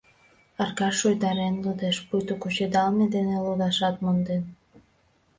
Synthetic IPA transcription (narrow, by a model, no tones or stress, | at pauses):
ɑrkɑʃojd̪ɑɾenlud̪eʃpujt̪okut͡ɕed̪ɑlmed̪enelud̪ɑʃɑt̪̚mond̪en